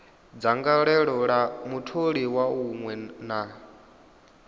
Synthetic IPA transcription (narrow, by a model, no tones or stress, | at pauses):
d͡zaŋɡaɺɛɺɔɺamutʰoɺiwauŋwɛna